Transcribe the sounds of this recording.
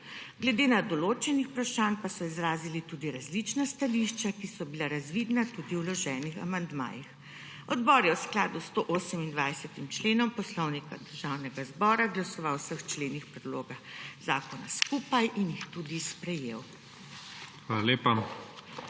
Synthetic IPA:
ɡlɛd̪eːnad̪ɔloːt͡ʃɛnixpɾaʃaːnpasɔizɾaːzilit̪ud̪iɾazlit͡ʃnast̪aliʃt͡ʃakisɔbilaɾazʋiːd̪nat̪ud̪iwlɔʒɛːnixa̰mand̪ma̰ːjix | ɔd̪bɔːɾjɛwsklaːd̪ust̪oʔoːsəmind̪ʋajsɛt̪imt͡ʃleːnɔmpɔslɔwnikad̪əɾʒawnɛɡazbɔːɾaɡlasɔʋawsəxt͡ʃleːnixpɾɛd̪loːɡaxz̥aːkɔna̰skuːpajʔinjixt̪ud̪ispɾɛjeːw | xʋaːlaleːpa

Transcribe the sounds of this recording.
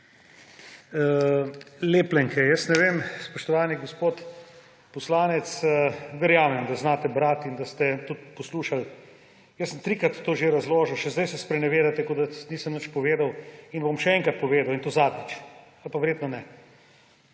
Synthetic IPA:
leːplɛŋkʰɛjəsnɛʋeːmspɔʃt̪ɔʋaːniɡospoːt̪ | pɔslaːnɛt̪səʋɛɾjaːmɛmd̪aznaːt̪ɛbɾat̪ind̪ast̪ɛt̪ut̪̚pɔsluːʃal | jəsːəmt̪ɾikɾat̪ːoːʒeɾazloːʒəwʃɛzd̪ɛjsɛspɾɛnɛʋeːd̪at̪ɛkod̪aniːsəmnət͡ʃpɔʋeːd̪awinbomʃɛɛŋkɾat̪̚pɔʋeːd̪awint̪oːzaːd̪nit͡ʃ | alpaʋɛɾjeːt̪nɔnɛ

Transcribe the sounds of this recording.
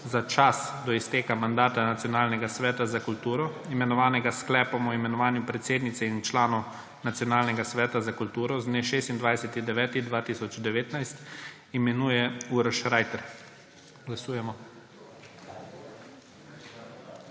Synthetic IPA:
zat͡ʃasd̪ɔist̪eːkamand̪aːt̪anat̪sijɔnaːlnɛɡasʋɛːt̪azakult̪uːɾɔ | imɛnɔʋaːnɛɡasklɛːpɔmɔimɛnɔʋaːnjupɾɛt̪seːd̪nit̪sɛint͡ʃlaːnɔw | nat̪sjɔnaːlnɛɡasʋɛːt̪azakult̪uːɾɔzd̪neːʃeːst̪ind̪ʋajsɛt̪id̪ɛʋɛːt̪id̪ʋaːt̪iːsɔd͡ʒd̪ɛʋeːt̪najst̪ | imɛnuːjɛuɾʃɾaːjt̪ɛɾ | ɡlasuːjɛmɔ

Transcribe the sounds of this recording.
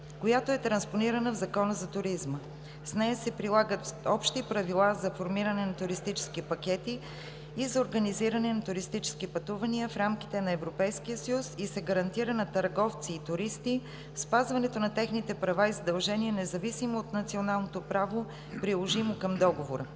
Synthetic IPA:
kojat̪oɛt̪ɾɐnsponiɾənəvzɐkɔnəzɐt̪ʊɾizmə | snɛjəsɛpɾilˠaɡət̪ɔpʃt̪ipɾɐvilˠazɐfoɾmiɾɐnɛnɐt̪ʊɾist̪it͡ʃɛ̥skipɐkʲɛt̪iː | zɐoɾɡəniziɾɐnɛnɐt̪ʊɾist̪it͡ʃɛ̥skipɐt̪uvəniəfɾamki̥t̪ɛnɐɛvɾopɛjskijəsəjusisɛɡəɾɐnt̪iɾənɐt̪ɐɾɡɔft̪siːt̪ʊɾist̪i | fspazvɐnɛt̪onɐt̪ɛxnit̪ɛpɾɐvaizɐd̪ɐlˠʒɛniɛnɛzɐvisimoːt̪nɐt̪sionalˠnot̪opɾavo | pɾilˠoʒimokɐmd̪ɔɡovoɾə

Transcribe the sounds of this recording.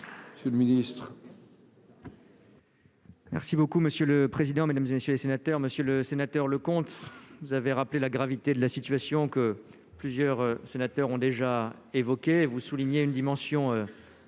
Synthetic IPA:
məsjələminist̪χ | mɛ̰ʁsibokuməsjøləpχezid̪ɑ̃med̪amzemesjølesenat̪œʁməsjøləsenat̪œʁləkɔ̃t̪vuzaveʁaplelaɡʁavit̪ed̪əlasit̪ɥasjɔ̃kə | plyzjœʁsenat̪œʁɔ̃d̪eʒa | evɔkʲeːvusuliɲeynd̪imɑ̃sjɔ̃ø

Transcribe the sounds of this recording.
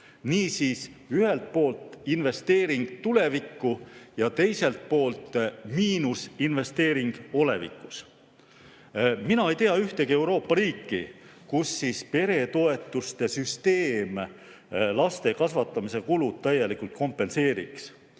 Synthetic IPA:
niːsiːs | yhe̞lt̪̚po̞ːlt̪ˑinve̞st̪e̞ːɾiŋɡ̥t̪ule̞vikːˑujɑt̪e̞jse̞lt̪̚po̞ːlt̪miːnusinve̞st̪e̞ːɾiŋɡ̥o̞le̞̰vḭkːˑu̥s | minɑe̞jt̪eɑyht̪e̞ɡie̞wɾo̞ːpːˑɑɾiːkːḭkusːiːspe̞ɾe̞t̪o̞e̞t̪ːˑust̪e̞syst̪e̞ːm | lɑst̪e̞kɑsvɑt̪ːˑɑmise̞kulud̪̥̚t̪æjːe̞likult̪̚ko̞mpːˑe̞nse̞ːɾḭks

